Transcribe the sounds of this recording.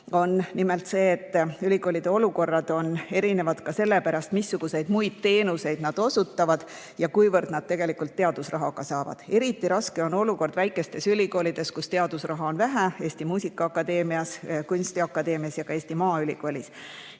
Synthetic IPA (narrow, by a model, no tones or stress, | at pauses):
o̞nnimelt̪se̞ːt̪ːylʲiɡo̞ːlʲid̪eo̞luko̞rːɑd̪̥o̞ne̞ɾine̞vɑd̪̥kɑse̞lːe̞pæɾɑst̪misːuɡ̥use̞jd̪mujd̪̥̚t̪e̞ːnuse̞jd̪nɑd̪̥o̞sut̪ːɑvɑd̪̥ | jɑkujvɤrd̪̥nɑd̪̥̚t̪e̞ɡ̥e̞likult̪ːe̞ɑd̪̥usrɑɦɑɡ̥ɑsɑːvɑ̰d̪̥e̞ɾit̪ːˑiɾɑske̞o̞no̞luko̞rd̪væjkːˑe̞st̪e̞sylʲiko̞ːlʲid̪̥e̞skust̪e̞ɑd̪̥usrɑɦɑo̞nvæɦæe̞ːsʲt̪imuːsʲikːˑɑɑkːˑɑd̪e̞ːmiɑskunʲsʲt̪iɑkːˑɑd̪e̞ːmiɑsjɑɡ̥ɑe̞ːsʲt̪imɑːylʲiko̞ːlʲis